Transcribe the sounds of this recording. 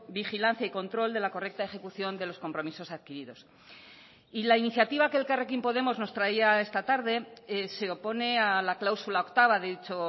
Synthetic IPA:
bixilan̟θjaiko̞nt̪ɾo̞ld̪e̞lako̞re̞k̚t̪ae̞xe̞kuθjo̞nd̪e̞lo̞sko̞mpɾo̞miso̞saðkiɾiðo̞s | ilainiθjat̪iβakelkarekimpo̞ð̞e̞mo̞zno̞st̪ɾaiae̞st̪at̪aɾðe̞se̞o̞po̞ne̞alaklawsulao̞kt̪aβaððit͡ʃo̞

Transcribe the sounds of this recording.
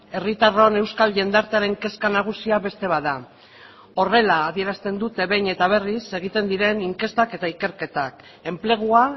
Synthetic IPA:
e̞rit̪aro̞ne̞wskalʝe̞nd̪aɾt̪eaɾe̞ŋke̞skanaɣ̞usiaβe̞st̪e̞βaða | o̞re̞laːðie̞ɾast̪e̞nd̪ut̪e̞βe̞jɲe̞t̪aβ̞e̞rise̞ɣ̞it̪e̞nd̪iɾe̞niŋke̞st̪ake̞t̪aike̞ɾke̞t̪ak | e̞mple̞ɣ̞ua

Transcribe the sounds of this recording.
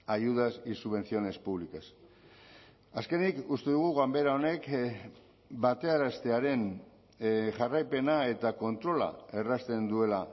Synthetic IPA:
ajuð̞asisuβ̞e̞nθio̞ne̞spuβlikas | aske̞nikust̪eðuɣ̞uɣambe̞ɾao̞ne̞k | bat̪e̞aɾast̪e̞aɾe̞n | ʝarajpe̞nae̞t̪ako̞nt̪ɾo̞la̰e̞rast̪e̞nd̪ue̞la

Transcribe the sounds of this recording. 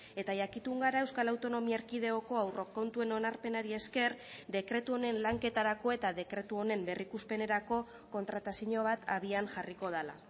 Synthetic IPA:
e̞t̪aʝakit̪uŋɡaɾae̞wskalawt̪o̞no̞miaeɾkiðe̞oko̞awro̞ko̞nt̪ue̞no̞naɾpe̞naɾie̞ske̞rd̪e̞kɾe̞t̪uo̞ne̞nlaŋke̞t̪aɾako̞e̞t̪aðe̞kɾe̞t̪uo̞ne̞mbe̞rikuspe̞ne̞ɾako̞ | ko̞nt̪ɾat̪asiɲo̞β̞at̪aβ̞ianʝariko̞ð̞ala̰

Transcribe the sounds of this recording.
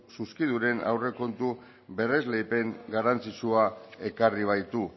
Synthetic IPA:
suskiðuɾe̞na̰wre̞ko̞nt̪u | βe̞re̞zle̞jpe̞ŋɡarant͡sit͡ʃuae̞kariβ̞ajt̪u

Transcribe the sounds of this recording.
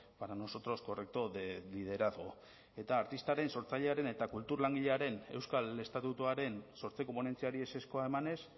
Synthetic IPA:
paɾano̞so̞t̪ɾo̞sko̞rek̚t̪o̞lið̞e̞ɾaðɣo | e̞t̪aːɾt̪ist̪aɾe̞nso̞ɾt͡saʎeaɾe̞ne̞t̪akult̪uɾlaŋɡiʎeaɾe̞ne̞wskale̞st̪at̪ut̪uaɾe̞nso̞ɾt͡sekompone̞nt͡siaɾiese̞sko̞ae̞mane̞s

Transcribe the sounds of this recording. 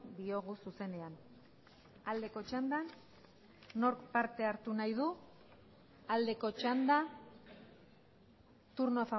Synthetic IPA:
d̪io̞ɣ̞ususe̞ne̞an | ald̪e̞ko̞t͡ʃand̪anː | o̞ɾkpaɾt̪e̞aɾt̪unajð̞u | ald̪e̞ko̞t͡ʃand̪a | t̪uɾnoafa

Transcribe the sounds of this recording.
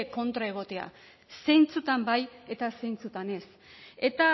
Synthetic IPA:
eko̞nt̪ɾae̞ɣ̞o̞t̪e̞a̰ | se̞jnt͡sut̪ambaje̞t̪ase̞jnt͡sut̪ane̞s | e̞t̪a

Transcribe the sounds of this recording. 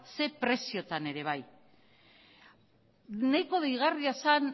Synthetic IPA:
se̞pɾe̞sio̞t̪ane̞ɾe̞β̞aj | najko̞ðejɣ̞ariasan

